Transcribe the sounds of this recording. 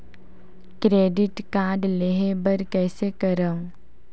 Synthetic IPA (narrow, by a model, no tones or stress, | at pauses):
kɾeːɖɪʈkaːɖleɦebəɾkɛːsekəɾã